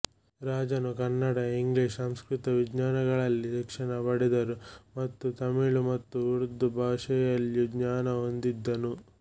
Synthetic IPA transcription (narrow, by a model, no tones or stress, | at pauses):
ɾaːd͡ʒɐnukɐnːɐɽɐiŋɡliːʂsɐmskɾut̪ɐʋid͡ʒɲaːnɐɡɐɭɐlːiʃikʂɐɳɐbɐɽɛd̪ɐɾumɐt̪ːut̪ɐmiɭumɐt̪ːuuɾd̪ubʱaːʂɐjɐljuɡɲaːnɐɦond̪id̪ːɐnu